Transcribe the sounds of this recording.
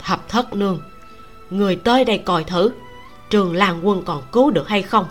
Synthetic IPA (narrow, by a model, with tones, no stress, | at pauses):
t̪ʰə˨˩p̚t̪ʰə˦˥t̚nɨ˧əŋ | ŋɨ˨˩əjt̪əː˧jɗə̰˧˩jkɔ˧˩jt̪ʰɨ˧˩ | t͡ɕɨ˨˩əŋlaː˨˩ŋkwə˧˩nkɔ˨˩nkɨ˨˦ɗɨ˨˩ək̚ha˧jxə˧wŋ͡m